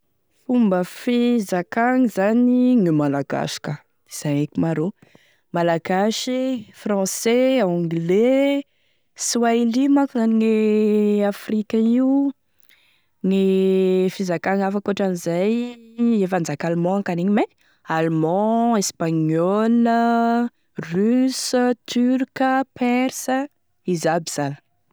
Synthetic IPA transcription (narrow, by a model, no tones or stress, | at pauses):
fumbəfizakaŋizaniŋimalaɡa̰ʃi̥ka | iz̥aŋekimaɾo | malaɡaʃifrɑ̃sɛɔ̃ɡle | swailimakuzaniŋeafrikʲaiu | ŋifizakaŋafakoaʈ͡ʂanizajefand͡zakalmɔ̃akaniɲime | almɑ̃espaɲɔlə | ryst̪ʰyrkəpɛrsə | izabiz̥anə̥